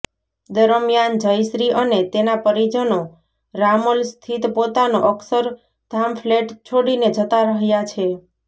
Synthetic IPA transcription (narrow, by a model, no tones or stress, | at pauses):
d̪əɾəmjand͡ʒəjʃɾiʔənet̪enapəɾid͡ʒəno | ɾamolst̪ʰit̪pot̪anoʔəksəɾ | d̪ʱamfʰleʈt͡ʃʰoɽined͡ʒət̪aɾəɦjat͡ʃʰe